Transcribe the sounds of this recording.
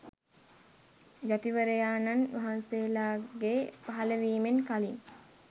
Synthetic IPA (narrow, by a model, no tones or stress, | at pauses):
jat̪iʋəɾəjaːnanʋaɦanseːlaːɡepaɦaləʋiːmenkalin